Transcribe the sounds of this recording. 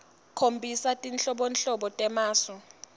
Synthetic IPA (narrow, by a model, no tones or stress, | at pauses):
kʰombʱisatʼinɬʼɔɓɔnɬɔɓɔtʼɛmaːsɔ